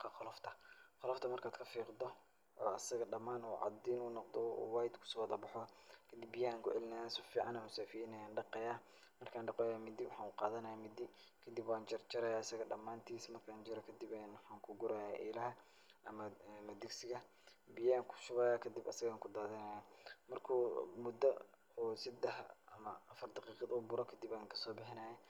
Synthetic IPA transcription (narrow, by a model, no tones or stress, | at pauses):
qʰɑqɔlɔft̪ʰɐqɔlɔft̪ʰɐmɐrkʰaːd̪kʰɐfiːqd̪ɔ | ɔːɐsɐɣɐɖɐmːaːnuːʕɑ̰d̪iːnuːnɔqd̪ɔ̰wɑːjd̪kʰʊ̥sʊwðɐbɑħɔkʰɐd̪ibːɪjɐaːŋkʰʊʕɛlɪnajasɔfiːʕɑnɐmʊsaːfinɐjaːnɖɑqɛjaː | mɐrkʰaːnɖɑqɛjaːmɪd̪iwɑħɑːnʊqɑːðɐnɐjamɪd̪ɪ | kʰɐd̪ɪbwaːnt͡ʃɐrt͡ʃɐɾɐjaːɐsɐɣɐɖɐmːaːnt̪ʰiːsmɐrkʰaːnt͡ʃɪɾɛkʰɐd̪ɪbɛnwħɑːŋkʰʊɡʊɾaːjaʔiːlɐɦɐ | ʔɐmɐmɐd̪ɪɡsɪɣɐ | bɪjɐːŋkʰʊ̥ʃʊβɐjaːkʰɐd̪ɪbɐ̰sɐɣaːŋkʰʊd̪aːðɐnajamɐrkʰuːmʊd̪ɐ | ɔːsɐd̪ɛhɐ̰mɐːfɐrd̪ɑqiːqɑðubʊɾɔkʰɐd̪ɪbaːŋkʰɐ̥sɔːbɪħɪnaːjɐ